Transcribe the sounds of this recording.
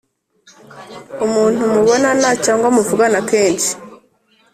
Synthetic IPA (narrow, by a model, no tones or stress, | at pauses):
umuːn̥umuβo̞nanacaːŋɡwamuvuɡanake̞ːnt͡ʃi̥